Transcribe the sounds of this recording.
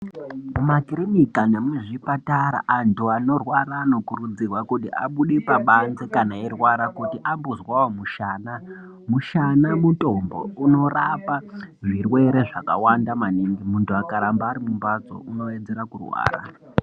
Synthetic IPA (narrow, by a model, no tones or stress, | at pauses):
mumakiɾinikane̞muʐipataɾa̰ʔantʰuano̞rwaɾano̞kurud͡zirwakutiʔa̰ɓuɗipaɓanze̞kanaerwaɾakutiʔambuzwawomuʃaːna | muʃanamuto̞mbo̞̰uno̞rapaʐirwe̞ɾe̞ʐaka̰wandamaniŋɡimuntuakaɾambaːɾimumbad͡zo̞̰ʔuno̞ed͡zeɾakurwa̰ːra̰